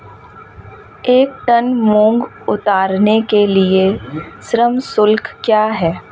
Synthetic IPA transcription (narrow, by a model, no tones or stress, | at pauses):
eːk̚ʈənmõːŋɡ | ʊt̪aːɾnekelieʃɾəmsʊlkːjaːɦɛː